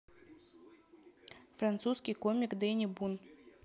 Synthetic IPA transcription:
fɾant̪suskʲijkomʲikd̪ɛjnʲɪbun

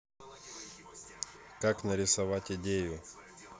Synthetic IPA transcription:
kaknɐɾʲɪsɐʋatʲɪdʲejʊ

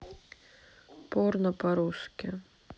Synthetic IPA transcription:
pɔrnɐpaɾuskʲɪ

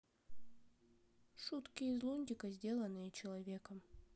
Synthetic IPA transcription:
ʂut̪kʲɪɪzlˠunʲdʲɪkəzʲdʲe̞lˠənɨjət͡ɕɪlˠɐvʲekəm

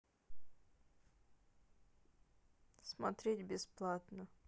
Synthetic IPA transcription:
smɐt̪ɾʲetʲbʲɪsplˠat̪nə

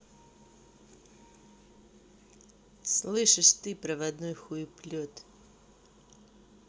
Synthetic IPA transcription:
slˠɨʂɨʂt̪ɨpɾɐvɐd̪nɔjxujʊplʲɔt̪

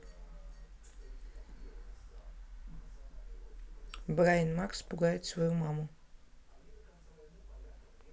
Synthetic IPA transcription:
bɾajinmakspuɡajɛt̪svɔjumamu

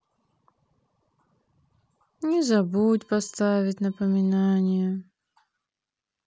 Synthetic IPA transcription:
nʲɪzɐbutʲpɐst̪avʲɪtʲnəpəmʲɪnanʲɪjə

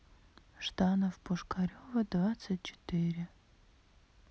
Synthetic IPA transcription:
ʂt̪anɐvpʰʊʂkʰaɾʲovɐd̪vat̪sɨt̚ʲt͡ʃʰɪ̥t̪ɪɾʲɪ

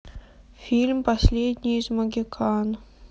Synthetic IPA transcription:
fʲilʲmpasʲlʲed̪ʲnʲijzmɐɡʲikʰɑn

